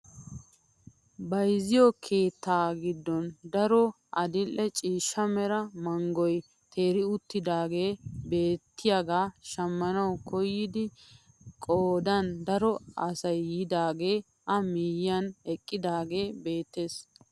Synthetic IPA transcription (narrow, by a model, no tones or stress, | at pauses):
bɐjzɪjɔkʰe̞ːt̪ːaːɡɪd̪ːɔnd̪ɐɾɔ | ʔɐd̪ɪlʔɛt͡ʃʼiːʃːɐmɛɾɐmɐŋɡɔj | t̪ʰe̞ːɾɪʊt̪ːɪd̪aːɡe̞ːbe̞ːt̪ːɪjaɡaːʃɐmːɐnɐwkʰɔjːɪd̪ɪ | kʼoːd̪ɐnd̪ɐɾɔɐsɐjːɪd̪aːɡe̞ː | ʔɐmiːjːɐnɛkʼːɪd̪aːɡe̞ːbe̞ːt̪ːe̞ːs